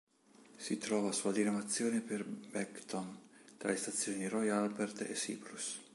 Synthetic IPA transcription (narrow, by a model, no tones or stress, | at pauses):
sit̪ɾɔːvasuad̪inamat̪sːjoːneperbɛkt̪ɔnt̪ɾa̰lest̪at̪sːjoːnirɔjalbɛrt̪ḛsḭplus